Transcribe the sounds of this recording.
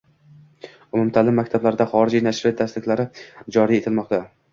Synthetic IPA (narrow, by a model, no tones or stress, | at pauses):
ʊmʊmt̪ʰalɪmːakʲt̪ʰablaɾɪd̪aχɒɾɪd͡ʒijnaʃɾɪt̪ʰːast̪ɪkʲlaɾɪd͡ʒɒɾije̞t̪ʰɪlmɒqt̪ʰa